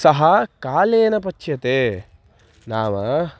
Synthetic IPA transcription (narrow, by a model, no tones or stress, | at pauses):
sɐɦɐkaːleːnɐpɐt͡ʃːjɐt̪eː | naːʋɐ